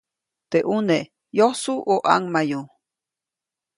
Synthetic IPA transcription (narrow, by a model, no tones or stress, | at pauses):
t̪eʔune | johsuʔoʔa̰ŋmaju